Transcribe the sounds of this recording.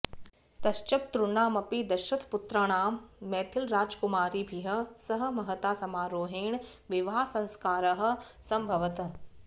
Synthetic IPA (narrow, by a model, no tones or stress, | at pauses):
t̪ɐʃt͡ʃɐp̚t̪ɾunaːmɐpid̪ɐʃɐt̪pʊt̪ɾaɽ̃aːmːɛːt̪ʰɪlɾaːd͡ʒkʊmaːɾibʱiɦɐ̆sɐɦə̆mɐɦət̪aːsɐmaːɾoːɦeːɳ | ʋɪʋaːsɐ̃nskaːɾɐɦə̆sɐmbʱɐʋət̪